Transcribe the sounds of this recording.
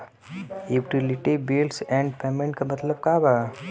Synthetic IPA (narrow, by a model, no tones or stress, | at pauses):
uʈilɪʈibilsɛ̃ːɳɖpeːmẽɳʈ̚kamɐt̪ləb̚kaːbaː